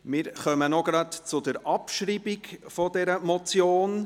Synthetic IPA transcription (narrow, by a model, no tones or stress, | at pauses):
mɪːɾχœmənɔɡ̥ɾɑtt͡sʊdəɾɑpʃɾiːbikfɔdɛɾəmɔt͡sjoːn